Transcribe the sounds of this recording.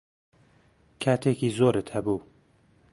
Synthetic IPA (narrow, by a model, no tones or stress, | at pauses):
kʰaːt̪ʰekiːzoːɾɨt̪hɐbuː